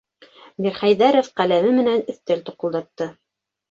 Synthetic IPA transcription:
miɾχæjðæɾŏfqælæmɘmɘ̆nænɵ̆θt̪ælt̪ŭqŏlˠd̪ɑt̪ːɤ

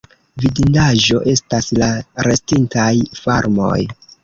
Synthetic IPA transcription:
vidindaʒo̞ʔe̞staslaɾe̞stintajfa̰ɾmo̞̰j

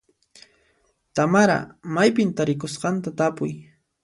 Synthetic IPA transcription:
t̪amaɾa̰majpɪnt̪aɾɪkosqɑnt̪at̪apʊj

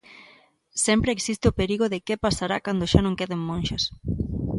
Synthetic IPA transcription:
sempɾeeksist̪eʊpeɾiɣʊðɪkepasaɾakand̪oʃanõŋkeðeŋmõnʃɐs

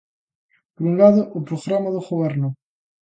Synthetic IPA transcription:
poɾuŋlaðʊʔopɾoɣɾamaðoɣoβeɾnʊ

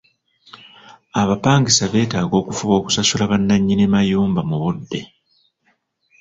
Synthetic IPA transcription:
aβapaːŋɡisaβe̞ːtaːɡo̞ːkufuβo̞ːku̥sasulaβanːaɲːinemajuːmbamuβudːe̞

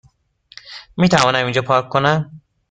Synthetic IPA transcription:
miːt̪ʰævɒːnæmind͡ʒɒːpʰɒːkʰːonæm

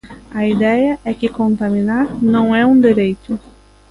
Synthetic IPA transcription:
ɐid̪ɛjɐʔɛkɪkõnt̪amĩnaɾnɐ̃w̃ɛũd̪eɾejt̪ʊ

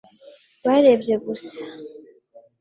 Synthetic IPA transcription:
βaɾebjeɡusḁ

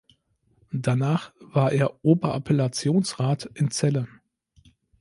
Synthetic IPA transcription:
danaːχv̥aːɐʔeːɐʔoːbɐʔa̰pʰɛlat͡sjoːnsʁaːtʔɪnt͡sɛlə

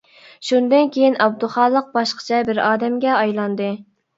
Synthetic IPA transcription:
ʃund̪ɨnkʲʰejinʔɑb̚d̪uχɑːlˠːəq̚bɑʃqə̥t͡ʃʰɛbɪɾɑːd̪ɛmɡʲɛɑjlˠɑnd̪ɨ

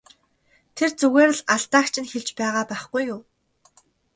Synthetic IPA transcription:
t̪ʰert͡suɣeːɾə̆ɮaɮt̪aːkt͡ɕʰɪ̆nxeɮt͡ɕpæːʁaːpæːχɡ̥ujʊː

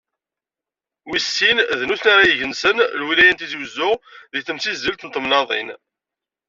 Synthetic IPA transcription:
wisːinðnusnaɾajəʝənsənlwilæjænt̪iziwzːʊʁðiθəmsizːəlt̪nt̪ˤəmnɑðˤḭn

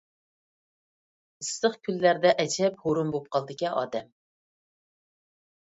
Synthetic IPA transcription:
ɨst̪əχkʲʰylːæɾd̪ɛʔɛt͡ʃʰɛp̚hoɾumbop̚qʰɑlˠd̪ɪkʲiʔɑ̰ːd̪ɛm

